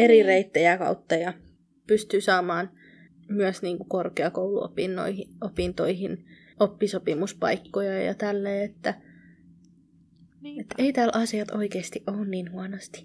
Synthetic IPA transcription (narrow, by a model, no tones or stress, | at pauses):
erireit̪ːæjækɑ̰ut̪ːɑjɑ | pyst̪yːsɑːmɑːn | myøsniːŋkukorkeɑkoulṵo̰pinːo̰ihiopint̪oihin | opːisopimuspɑ̰ikːojɑjɑ̰t̪ælːeːet̪ːæ | et̪ːeit̪æːlʔɑsiɑt̪o̰ikeːst̪iʔʔoːunniːnhuɑnost̪i̥